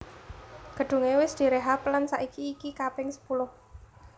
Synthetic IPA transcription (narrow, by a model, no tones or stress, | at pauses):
ɡ̥ə̤ɖ̪̥ṳŋewɪsd̪̥i̤ɾeɦaplansa̰ʔikiːkikapɪŋsə̥pulʊh